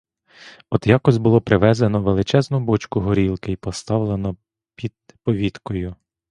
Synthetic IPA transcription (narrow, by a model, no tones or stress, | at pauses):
ɔd̪jɑkɔsʲbʊlˠɔpɾɪʋɛzenɔʋelˠɪt͡ʃɛznʊbɔt͡ʃkʊɦɔɾʲilˠkɪjpɔst̪ɑwlˠenɔ | pʲid̪̚ | pɔʋʲit̪kɔjʊ